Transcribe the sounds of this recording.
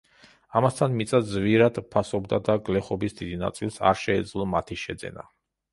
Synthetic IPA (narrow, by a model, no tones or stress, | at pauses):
amast̪ʰanmit̪sʼazviɾad̪pʰasɔbd̪ad̪aɡlɛχɔbisd̪id̪ina̰t̪sʼilˠsa̰ɾʃɛːd̪zlˠɔmat̪ʰiʃɛd̪zɛ̰na̰